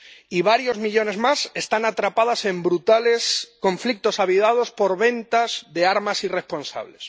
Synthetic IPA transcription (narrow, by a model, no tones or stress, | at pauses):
iβaɾjo̞zmiʎo̞ne̞zmase̞st̪anat̪ɾapaðasẽ̞mbɾut̪ale̞skõ̞ɱflik̚t̪o̞saβ̞iðað̞o̞spo̞ɾβẽ̞nt̪azðe̞aɾmasire̞spo̞nsa̰βle̞s